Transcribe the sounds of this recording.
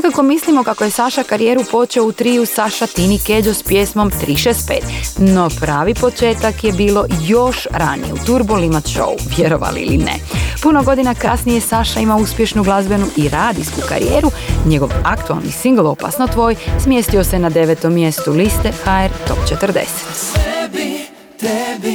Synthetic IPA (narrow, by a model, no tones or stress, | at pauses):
nekako̞mislimo̞kako̞je̞saʃakaɾijeːɾupo̞t͡ʃeout̪ɾiːjusaʃat̪iniked͡ʒospjeːsmo̞mt̪ɾiːʃeːst̪̚peːt̪no̞pɾaːʋipo̞t͡ʃe̞ːt̪akjebiːlˠo̞jo̞ʃɾa̰nḭjeut̪uɾbulimat̪ʃo̰uʋjeɾo̞̰ʋa̰lḭḭlḭnḛpuno̞ɡo̞d̪inakasnije̞saʃaimauspje̞ʃnuɡlˠazbe̞nuʔiɾaːd̪iskuka̰ɾḭjeːɾuɲe̞ɡo̞ʋakt̪ua̰lnḭsiŋɡlˠo̞pa̰snot̪ʋo̞ːjsmjeːst̪io̞senad̪eʋet̪omːje̞st̪ulist̪exaeɾt̪o̞̰pt͡ʃet̪ərd̪e̞̰se̥t̪